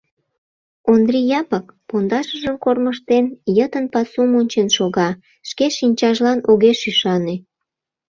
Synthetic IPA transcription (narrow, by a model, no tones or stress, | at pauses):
ond̪rijɑpək̚pond̪ɑʃəʒəmkorməʃt̪enjət̪ənpɑsumonʲt͡ɕenʃoɣɑ | ʃkeʃinʲt͡ɕɑʒlɑnoɣeʃyʃɑne